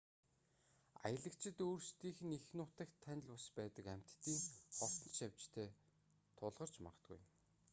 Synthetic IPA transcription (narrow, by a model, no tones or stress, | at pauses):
a̰jə̆ɮə̆kt͡ɕʰɪ̆t̪oːrst̪iːxɘ̆nixnʊːt̪ə̆kt̪ʰːænʲɪ̆ɮpɔspæːt̪ə̆kæm̥ʲt̪ːiːŋχɔwt̪ɞ̆ʃaw̥ʲt͡ɕt̪ʰeː | t̪ʰʊɮʁɞ̆r̥t͡ɕma̰ʁə̆t̪̚ɡṵj